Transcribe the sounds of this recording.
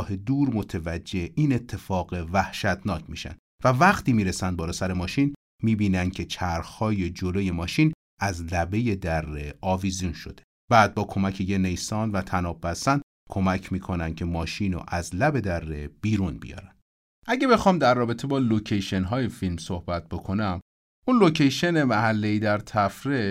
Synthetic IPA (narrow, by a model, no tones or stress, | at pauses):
hed̪uːɾmo̞t̪ʰevæd͡ʒːe̞ʔiːne̞t̪ʰːe̞fɒːɣevæhʃæt̪ʰnɒːcʰmḭːʃæ̰nd̪ | vævæxt̪ʰiːmiːɾesænd̪bɒːlɒːsæɾemɒːʃin | miːbiːnænd̪̚cʰe̞t͡ʃʰæɾxhɒːje̞d͡ʒoloje̞mɒːʃiːn | æzlæbe̞je̞d̪ærːeɒːvizijunʃo̞d̪e̞̥ | b̥æːd̪̚bɒːkʰo̞mæcʰejenejsɒːnvæt̪ʰænɒːbːæsænd̪ | kʰo̞mæcʰmiːkʰo̞nænd̪̚cʰe̞mɒːʃiːno̰ʔæzlæbe̞d̪ærːeb̥iːɾunbḭjɒ̰ːɾæn̥ | ʔæɟe̞bexɒːmd̪æɾːɒːbe̞t̪ʰebɒːlocʰejʃe̞nɦɒːjefilmsohbæt̪̚b̥o̞kʰo̞næm | unlocʰejʃenemæhælːeiːd̪æɾt̪ʰæfɾe